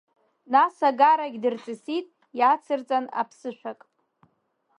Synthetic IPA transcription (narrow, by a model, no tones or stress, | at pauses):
nasaɡaɾaɡʲdɨrt͡sʼɨsitʼ | jat͡sʰɨrt͡sʼana̰pʰsɨʃʷᶣakʼ